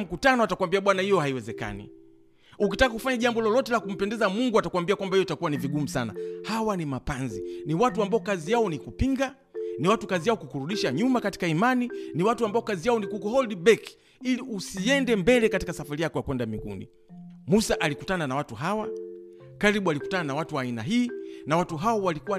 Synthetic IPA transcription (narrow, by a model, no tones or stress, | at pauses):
m̩kutanɔatakuwambiaɓwanahijɔhaiwɛzɛka̰nḭ | ukitakakufaɲaʄambɔlɔlɔtɛlakum̩pɛndɛzamuŋɡuatakuwambiakwambaijɔtakuwaniviɡum̩sana̰hawanimapanziniwatuambaɔkazijaɔnikupiŋɡa | niwatukazijaɔkukuɾuɗiʃaɲumakati̥kaimaniniwatuambaɔkazijaɔnikukɔhɔldibɛk | iliusiɛndɛmbɛlɛkati̥kasafaɾijakɔjakwɛndamiɡṵnḭ | musaʔalikutananawatuɦawakaɾiɓualiku̥tananawatuwaina̰ɦiːnawatuɦaɔwalikuwa